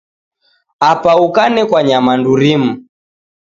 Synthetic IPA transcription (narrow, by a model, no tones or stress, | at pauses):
apaukanɛkwaɲamanduɾimu